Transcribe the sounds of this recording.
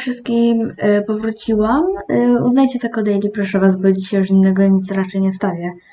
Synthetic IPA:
fʂɨst̪̚kʲimpɔvɾut͡ɕiwamṵznajt͡ɕɛt̪ɛkɔd̪ɛjlʲipɾɔʂɛvasbɔd͡ʑiɕɛjuʂinːɛɡɔɲit̪sɾat͡ʂɛjɲɛfst̪avʲjɛ

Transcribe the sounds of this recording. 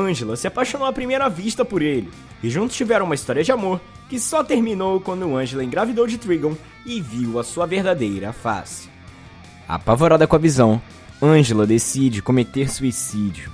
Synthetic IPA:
ɐ̃ʒelɐsɪapaʃõnowɐpɾimejɾɐviʃt̪ɐpʊɾelɪ | ɪʒũnt̪ʊ̥st͡ʃivɛɾɐ̃ũmist̪ɔɾiɐd͡ʒɪamoɾ | kɪsɔt̪eɾmĩnowkwɐ̃nd̪ʊʊɐ̃ʒelɐẽɡɾavid̪owd͡ʒɪt̪ɾiɡõw̃ | ɪviwɐsuɐveɾd̪ad̪ejɾɐfa̰sɪ̥ | a̰pavoɾad̪ɐkõavizɐ̃w̃ | ɐ̃ʒelɐd̪esid͡ʒɪkõmet̪eɾsuisid͡ʒiʊ

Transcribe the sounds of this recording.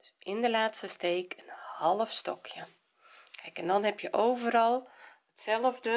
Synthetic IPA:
d̥sʔɪndəlaːtstəsteːkʰənhɔlˠəfstɔkʰjə | kʰɛjkɛndɔnhɛpjəʔoːvərɔlˠ | ətsɛlˠəvdə

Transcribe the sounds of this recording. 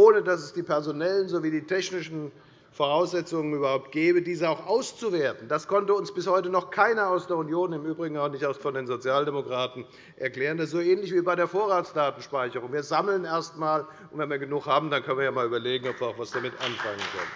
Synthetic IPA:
ʔoːnədasɛsd̥iːpʰɛɐzonɛlənzoviːdiːtʰɛçnɪʃn̩ | foʁ̞aʊsz̥ɛt͡sʊŋənyːbɐhaʊp̚t̚ɡ̥ɛːbədiːzəaʊxʔaʊst͡suveːɐtn̩d̥askʰɔntəʊnsb̥ɪshɔʏtənɔχkʰaɪnɐaʊsd̥eːɐunjoːnɪmʔyːbʁɪɡŋ̩aʊxnɪçtaʊsfɔndeːnzot͡sjaːldemokʁ̥aːtn̩ | ʔɛɐklɛːʁəndasz̥oːɛːnlɪçv̥iːbaɪɾeːɐfoːɐʁaːt͡sd̥aːtn̩ʃpaɪçəʁʊŋviːɐzamləneːɐstmaːl | ʊntvɛnviːɐɡənʊxhaːbm̩dankʰœn̩viɐjaːmaːlyːbɐleːɡŋ̩ɔpv̥iːɐaʊxfv̥asd̥amɪtʔa̰nfaŋənkʰœ̰nən

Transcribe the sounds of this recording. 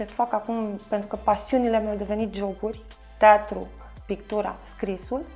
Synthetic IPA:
sefakakumpent̪ɾukəpasiunilemjawd̪ove̞nit̪̚d͡ʒo̞burʲ | t̪eat̪ɾṵ | pikt̪uɾa̰skɾisul

